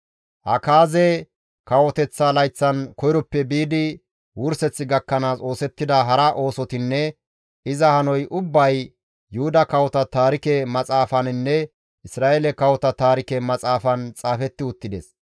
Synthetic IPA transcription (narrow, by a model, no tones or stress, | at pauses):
hʔɐkaːzɛ | kɐwɔt̪ɛt͡sːalɐjt͡sːɐnkɔjɾɔpːɛbiːd̪ɪ | wʊɾsɛt͡sːɪɡɐkːɐnaːso̞ːsɛt̪ːɪd̪ɐɦɐɾaʔo̞ːsɔt̪ɪnːɛ | ɪzɐhɐnɔjʔʊbːɐj | jʊhʊd̪ɐkɐwɔt̪ɐt̪aːɾɪkɛmɐt͡sʼaːfɐnɪnːɛ | ʔɪsɾaːʔelɛkɐwɔt̪ɐt̪aːɾɪkɛmɐt͡sʼaːfɐnt͡sʼaːfɛt̪ːɪʊt̪ːɪd̪ɛs